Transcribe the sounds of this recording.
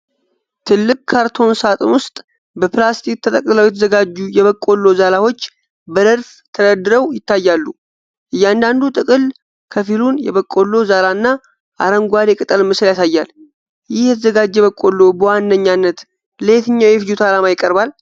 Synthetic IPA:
t̪ʰɨlːɨkʼkʰaɾt̪ʰo̞nsat̪ʼɨnwʊst̪ʼ | bəplast̪ʰikt̪ʰət̪ʼəkʼləwjɛt̪ʰəzəɡad͡ʒːujɛβəkʼːo̞lːo̞zalawo̞t͡ʃː | bəd̪əɾf | t̪ʰəd̪əd̪ɨɾəwjɪt̪ʰːajːalːu | ʔɨjːand̪and̪ut̪ʼɨkʼɨl | kʰəfilunjɛ̰βəkʼːo̞lːo̞zalanːa | ʔa̰ɾəŋɡʷad̪ekʼɨt̪ʼəlmɨsljasajːal | jɪhjɛt̪ʰəzəɡad͡ʒːɛβəkʼːo̞lːobəwanːəɲːanːət̪ | leet̪ɨɲːawjɛfid͡ʒut̪ʰalamajɪkʼːəɾbal

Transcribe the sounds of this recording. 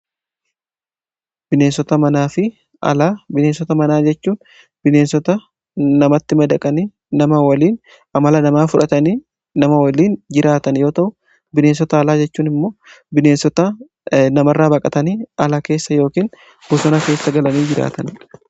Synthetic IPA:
bɪneːnsɔt̪ɐmɐnaːfɪ | ɐlabɪneːnsɔt̪ɐmɐnaːd͡ʒɛt͡ʃːuːn | bɪne̞ːnsɔt̪ɐ | nɐmɐt̪ːɪmɐd̪ɐkʼɐni | nɐmɐwɐliːn | ʔɐmɐlɐnɐmaːfʊᶑɐt̪ɐniː | nɐmɐwɐliːnd͡ʒɪɾaːt̪ɐnjo̞ːt̪ɐʔʊ | bɪne̞ːnsɔt̪ɐːlaːd͡ʒɛt͡ʃːuːnɪmːo̞ː | bɪne̞ːnsɔt̪ɐ | nɐmɐrːaːbɐkʼɐt̪ɐniːɐlɐke̞ːsːɐjo̞ːkiːn | bʊsɔnɐke̞ːsːɐɡɐlɐniːd͡ʒɪɾa̰ːt̪ɐn

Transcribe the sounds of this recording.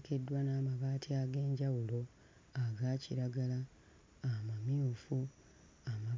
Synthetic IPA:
ke̞dːwanaːmaβaːtʰiaɡe̞ːɲɟawulo̞ | aɡaːciɾaɡalaː | mamiufu | ama

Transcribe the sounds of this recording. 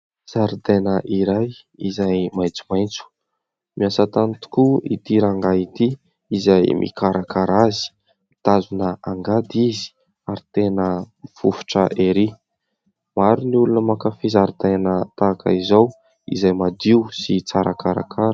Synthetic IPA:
z̥aɾd̪enəʔiɾaj | izajmajt͡sumajnt͡su̥ | miasat̪anit̪u̥kuit̪iɾaŋɡait̪iː | zajmʔḭkaɾakaɾazi̥ | mit̪azunəaŋɡad̪izi̥ | aɾit̪enəmifufu̥ʈ͡ʂə̰ʔeɾi | maɾunulunəmakafizaɾd̪anət̪akə̰izow | ḭzajmad̪iusit͡saɾakaɾa̰kʰaɾə

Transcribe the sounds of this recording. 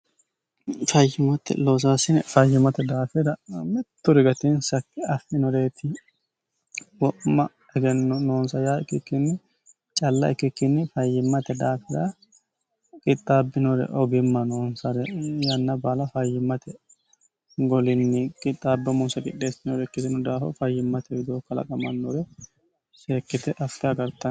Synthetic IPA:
fɐjːɪmɐt̪ɛ̰loːs̬aːsɪnɛfɐjːɪmɐt̪ɛd̪aːfɪɾɐmɛt̪ːʊɾɪɡɐt̪ɪnsɐkːɪɐfɪnɔɾe̞ːt̪ʰɪ | wɔʔmːɐ | ɛɡɛnːɔnoːnsɐjaːɪkːɪkːɪnːɪ | t͡ʃʼɐlːɐ̰ɛkːɪkːɪnːɪfɐjːɪmːɐt̪ɛd̪aːfɪdɐ | kʼɪt̪ʼːaːbːɪnɔɾɛ̰ʔɔɡɪmːɐnoːnsɐɾɛjɐnːɐbaːlɐfɐjːɪmːɐt̪ʰɛ | ɡɔlɪnːɪkʼɪt̪ʼːaːbːɪɔmːɔnsɐkʼɪᶑːeːsɪnɔɾɛkːɪsɪnʊd̪aːfɔ̰fɐjːɪmːɐt̪ɛɪd̪oːkːɐlɐ̰kʼɐmɐnːɔɾɛ | seːkːɪt̪ɛʔɐfːɪɐɡɐɾt̪ɐn

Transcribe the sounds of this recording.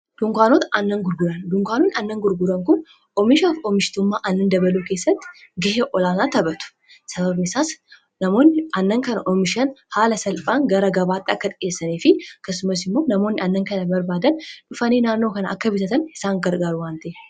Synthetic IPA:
d̪̥ʊŋkʷaːnoːt̪ɐʔɐnːɐŋɡʊɾɡʊɾɐnd̪ʊŋkʷaːnoːnɐnːɐŋɡʊɾɡʊɾɐŋkʊn | ʔɔmɪʃaːfɔmɪʃt̪ʊmːaːʔɐnːɐnd̪ɐbɐluːkeːsːɐt̪ːɪ̥ɡɐɦeʔɔlaːnaːt̪ɐbɐt̪ʊ̥ | sɐβɐbnɪsaːs | nɐmo̞ːnːɪɐnːɐŋkɐnɐʔɔmɪʃɐnhaːlɐsɐlpʼaːŋɡɐɾɐɡɐbaːt̪ːɪɐkːɐt̪ʼɪeːsːɐniːfɪɐkːɐsːʊmɐsɪmːo̞ːnɐmo̞ːnːɪɐnːɐŋkɐnɐbɐɾbaːd̪ɐnᶑʊfɐniːnaːnːo̞ːkɐnɐʔɐkːɐbɪt̪ɐt̪ɐnɪsaːŋɡɐɾɡaːɾʊwaːnt̪ɐʔe

